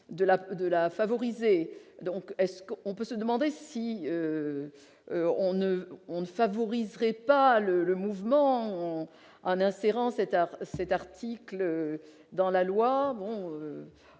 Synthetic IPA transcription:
d̪əlad̪əlafavɔʁized̪ɔ̃kɛskɔ̃pøsəd̪əmɑ̃d̪esiø | ɔ̃nəɔ̃nəfavɔʁizʁɛpalələmuvmɑ̃ | ɑ̃nɛ̃seʁɑ̃sɛt̪sɛt̪aʁt̪ʰiklø | d̪ɑ̃lalwabɔ̃ø

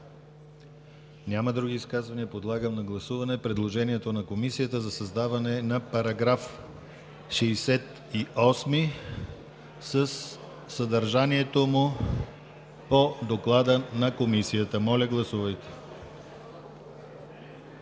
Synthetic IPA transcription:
nʲaməd̪ɾuɡ̟iːskazvɐniəpod̪lˠaɡəmnɐɡlˠɐsuvɐnɛpɾɛd̪lˠoʒɛniɛt̪onɐkomisijət̪əzɐsɐzd̪avɐnɛnɐpɐɾɐɡɾaf | ʃɛjsɛt̪ | iʔɔsmi | səsː | ɐd̪ɐɾʒaniɛt̪omʊ | pod̪oklˠad̪ənɐkomisijət̪əmɔlʲəɡlˠɐsuvəjt̪ɛ̥

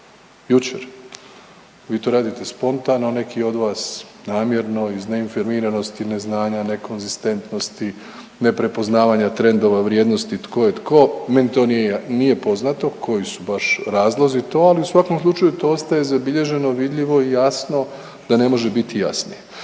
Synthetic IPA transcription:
jut͡ʃḛɾ | ʋiːt̪o̞ɾaːd̪it̪e̞spo̞nt̪anone̞kio̞d̪ʋaːsnaːmje̞ɾno̞izne̞infoɾmiɾano̞st̪ine̞znaːɲane̞ko̞nzist̪e̞nt̪no̞st̪i | ne̞pɾe̞po̞znaːʋaɲat̪ɾe̞nd̪o̞ʋaʋɾje̞ːd̪no̞st̪it̪ko̞jet̪ko̞ːme̞nit̪o̞ninije̞po̞znat̪o̞kʰo̞jisubaʃɾaːzlˠozit̪o̞ːaliusʋako̞mslˠut͡ʃajut̪oo̞st̪aje̞zabiʎe̞ʒe̞no̞ʋid̪ʎʲiʋo̞ijasno̞ | d̪̥ane̞mo̞ʒebit̪ija̰sni

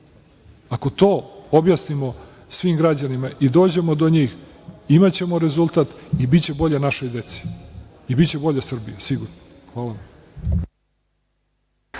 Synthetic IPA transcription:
ako̞t̪o̞ːobjasnimo̞ | sʋiːmɡɾad͡ʑanimaʔid̪o̞ːd͡ʑe̞mod̪o̞ɲiːx | imat͡ɕe̞moɾe̞zulˠt̪at̪ibit͡ɕe̞bo̞ʎanaʃojd̪e̞t̪si̥ | ibit͡ɕe̞bo̞ʎasr̩bijasiɡuɾno | xʋaːlaʋam

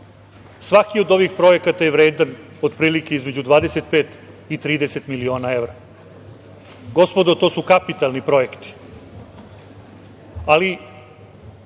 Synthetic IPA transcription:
sʋakio̞d̪o̞ʋixpɾo̞je̞kat̪ajeʋɾeːd̪an | o̞d̪pɾiːlike̞izme̞d͡ʑud̪ʋaːd̪ese̞t̪̚peːt̪ | it̪ɾiːd̪eset̪milio̞ːnae̞ʋɾa | ɡo̞spod̪ot̪o̞ːsukapit̪alˠnipɾo̞jekt̪i̥ | ali

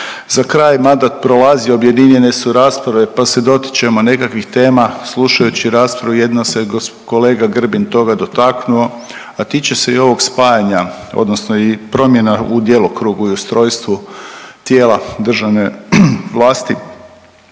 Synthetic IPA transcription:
zakɾaːjmand̪at̪̚pɾo̞lazio̞bje̞d̪iɲje̞ne̞suɾaːspɾaʋe̞pase̞d̪o̞t̪i̥t͡ɕe̞mo̞ne̞kakʋixt̪e̞ːmasluʃajut͡ɕiɾaːspɾaʋuje̞d̪nose̞ɡko̞le̞ːɡaɡr̩bint̪o̞ɡad̪o̞t̪aknuo̞ | at̪it͡ɕese̞io̞ʋo̞ɡspajaɲao̰d̪no̞snoipɾo̞mje̞naud̪je̞lˠokɾuɡuiust̪ɾo̞ːjst̪ʋut̪jeːlad̪r̩ʒaʋne̞ʋlˠaːst̪i

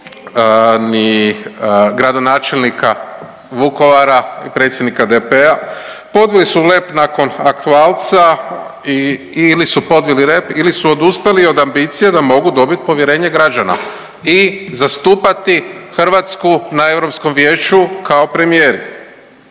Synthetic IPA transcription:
ni | ɡɾad̪o̞naːt͡ʃe̞lnikʰa | ʋuko̞ʋaɾaipɾe̞t̪sjed̪nikad̪epea | po̞d̪ʋilisule̞pnako̞nakt̪uaːlt̪sai | ilisupo̞d̪ʋilile̞pilisuo̞d̪ust̪alio̞d̪ambit̪sijed̪amo̞ɡud̪o̞bit̪̚po̞ʋje̞ɾe̞ːɲeɡɾad͡ʒana̰ | izast̪uːpat̪ixr̩ʋat̪skunae̞ʋɾo̞psko̞mʋje̞ːt͡ʃukʰao̞pɾe̞mije̞ːɾi

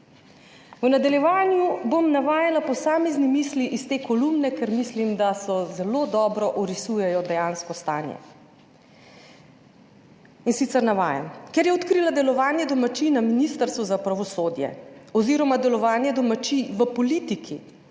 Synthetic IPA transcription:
nad̪aljɛʋaːnjubomnaʋaːjalapɔsaːmeznimiːsliʔist̪eːkɔlumnɛkɛɾmislimd̪asɔzɛlod̪ɔːbɾɔʔɔɾisuːjɛjɔd̪ɛjaːnskɔst̪a̰ːnjɛ̰ | insit̪sɛɾnaʋa̰ːja̰nkɛɾjɛɔt̪kɾiːlad̪ɛlɔʋaːnjɛd̪ɔmat͡ʃinaminiːst̪əɾst̪ʋuzapɾaʋɔsoːd̪jɛ̰ɔziːɾɔmad̪ɛlɔʋaːnjɛd̪ɔmat͡ʃiʋəpɔliːt̪ikʰḭ

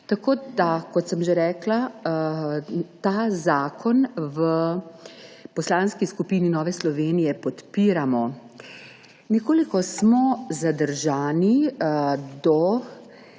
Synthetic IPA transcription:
t̪akoːd̪akɔt̪səmʒeɾɛːkla | t̪aːzaːkʰɔnʋə | pɔslaːnskiskupiːninɔːʋɛslɔʋeːnijɛpɔt̪piːɾamɔ | nɛkoːlikɔsmɔzad̪əɾʒaːni | d̪ɔ

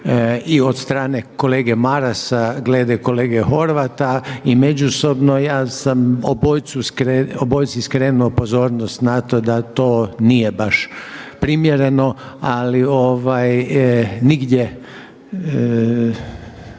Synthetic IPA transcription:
iod̪st̪ɾaːne̞ko̞leːɡemaɾasaɡleːd̪eko̞leːɡexo̞ɾʋat̪aimed͡ʒuso̞bnojaːsamoboːjt̪suskɾeobojt̪siskɾeːnuopozo̞ːɾnost̪nat̪o̞d̪at̪oːnijebaʃpɾimjeɾe̞no̞ | alioʋaj | niɡd̪je

